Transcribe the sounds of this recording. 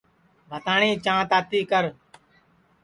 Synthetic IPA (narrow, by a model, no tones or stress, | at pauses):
bʱət̪aːɳĩːt͡ʃãːt̪aːt̪iːkəɾ